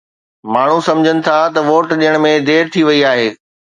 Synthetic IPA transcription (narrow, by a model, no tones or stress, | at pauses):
maːɳ̤ũsɐmd͡ʑʱənɪ̆t̪ʰat̪ɐʋoːʈɗiəɽ̃mẽd̪eːɾt̪ʰiʋɐiaːɦeː